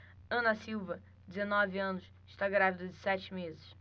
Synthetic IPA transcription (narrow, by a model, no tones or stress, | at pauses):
ɐ̃nɐsiwvɐ | d͡ʒɪzenɔvɪɐ̃nʊs | ɪʃt̪aɡɾavid̪ɐd͡ʒɪsɛt͡ʃɪmezɪʃ